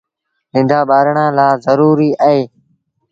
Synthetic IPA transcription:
zɪ̃nd̪aːɓaːɾɳãːlaːzəɾuːɾiːəɦeː

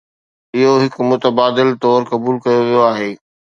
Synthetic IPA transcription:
ɪɦoɦɪkmʊt̪əbaːd̪ɪlt̪ɔːɾkɐbuːlkɐjoʋijoaːɦeː

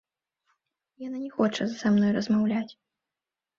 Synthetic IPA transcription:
jananʲɛxɔt͡ʂɐzsamnɔjrɐzmawlʲat͡sʲ

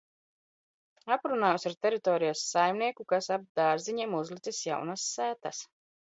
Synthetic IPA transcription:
apɾunaːjusaɾt̪eɾit̪ɔːɾijasːajmniɛkukasab̚d̪aːɾziɲimuzlˠit̪sisja̰wnasːæːt̪as

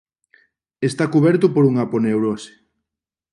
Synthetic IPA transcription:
est̪akuβɛɾt̪ʊpoɾuŋaponewɾose̥

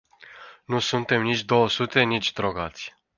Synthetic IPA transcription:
nusunt̪e̞mnit͡ʃʲd̪o̞wəsut̪e̞nit͡ʃʲd̪ɾoɡat̪sʲ

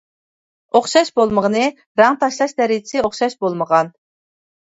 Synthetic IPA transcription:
oχʃɑʃbolˠməʁənɨ | ɾɑŋt̪ʰɑʃlˠɑʃd̪ɛɾɪt͡ʃʰɪsɪoχʃɑʃbolˠməʁɑn

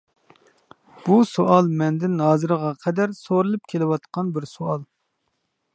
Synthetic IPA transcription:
b̥usoʔɑlˠmɛnd̪ɪnhɑːzɨɾəʁɑqʰɛd̪æɾsoɾɨlˠɨp̚kʲʰelɪwɑt̪qʰɑnbɪɾsuɑlˠ

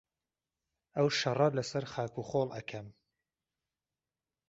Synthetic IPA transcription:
ɐwʃɐrˤɐlɐsɐɾχaːkuːχoːlˠʔɐ̰kʰɐm

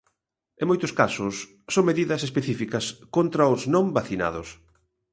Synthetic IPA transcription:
ẽŋmojt̪ʊskasʊsː | oŋmeðiðɐsespeθifikɐskont̪ɾɐoznõmbaθina̰ðʊs

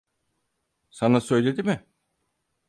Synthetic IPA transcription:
sanasø̞jlʲe̞d̪imɪ

